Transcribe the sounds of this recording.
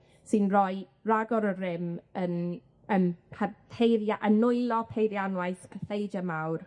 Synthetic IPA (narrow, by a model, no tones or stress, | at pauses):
sɨnrɔj | raɡɔɾərɪmən | ənpʰapʰejɾjaʔənʊɨlˠɔpʰejɾjanwajθpʰəθejd͡ʒamawr